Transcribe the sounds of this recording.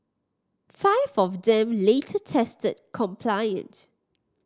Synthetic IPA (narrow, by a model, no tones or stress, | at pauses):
faɪvɔvdɛ̃mletʰətʰɛstəd̚kʰɔ̃mpʰlaɪə̰̃ns